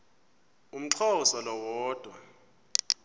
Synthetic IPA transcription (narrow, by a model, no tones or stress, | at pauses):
um̩ǀʰɔsalɔwɔːd̥ʱwa